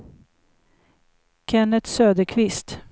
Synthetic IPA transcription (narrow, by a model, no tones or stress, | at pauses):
kʰɛnət̪søːd̪əɾkʰvɪst̪